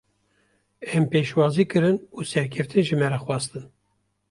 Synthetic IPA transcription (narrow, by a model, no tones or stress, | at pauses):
ɛmpeːʃwɑːziːkɨɾɨnuːsɛɾkʰɛft̪ɨnʒɨmɛɾɛxwɑːst̪ɨn